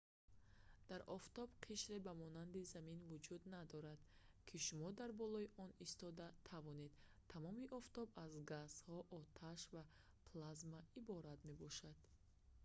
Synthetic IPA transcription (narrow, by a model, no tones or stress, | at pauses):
d̪̥aɾɔft̪ɔbqʰiʃɾebamɔnand̪izaminvud͡ʒud̪nad̪ɔɾad̪̥ | kʰiʃumɔd̪aɾbɔlɔiʔɔnist̪ɔd̪at̪ʰavɔne̞d̪t̪ʰamɔmiʔɔft̪ɔbazɡashɔʔɔt̪ʰaʃva | pʰlazmaibɔɾat̪me̞bɔʃad̪̥